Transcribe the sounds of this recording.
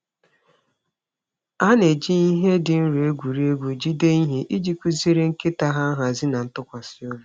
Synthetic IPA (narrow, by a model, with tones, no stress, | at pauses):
a˦ne˨d͡ʒi˦i˦ɦe˦dɪ˨n̩˦ɾu˨e˦ɡʷu˨ɾi˦e˦ɡʷu˨d͡ʒi˦de˦i˦ɦe˦ʔi˦d͡ʒi˦kʷu˦zi˦ɾe˦ŋ̩˦ke˦ta˦ɦa˦ɦa˨zɪ˦na˨n̩˦tʊ˦kʷa˨sɪ˦o˦lu˦